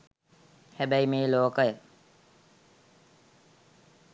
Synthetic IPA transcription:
hæbæimeːloːkəjə

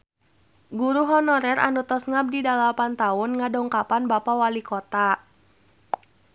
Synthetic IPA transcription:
ɡuɾuɦɔnɔɾɛra̰ndut̪ɔsŋab̚didalapant̪aʊnŋadɔŋkapanbapawalikɔt̪a

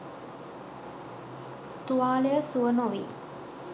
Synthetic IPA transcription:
t̪uʋaːlejəsuʋənoʋḭ

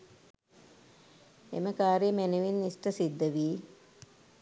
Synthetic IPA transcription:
ḛməkaːɾimenuʋinːisʈəsid̪ːəʋiː

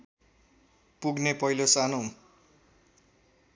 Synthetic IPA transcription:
puɡnepʌilosano

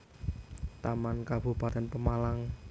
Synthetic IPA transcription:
t̪amankab̥ṳpat̪ɛnpəmalaŋ

